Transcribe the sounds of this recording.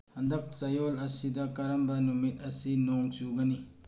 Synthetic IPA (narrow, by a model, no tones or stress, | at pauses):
hɐndɐk̚t͡ʃɐjolɐsidɐkɐɾɐmbɐnumit̚ɐsinɔŋsuɡɐni